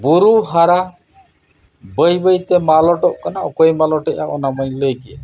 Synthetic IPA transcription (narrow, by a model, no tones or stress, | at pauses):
buɾuɦaɾa | bəjbəjt̪emalɔʈɔʔkanaɔkɔjmalɔʈɔʔa̰ʔɔnamɔjləɡi